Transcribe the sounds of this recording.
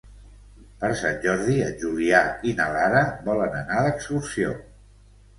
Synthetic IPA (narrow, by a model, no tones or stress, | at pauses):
pəɾsanʲʒɔɾðiəʒuliainəlaɾəβɔlənənaðəksursio̰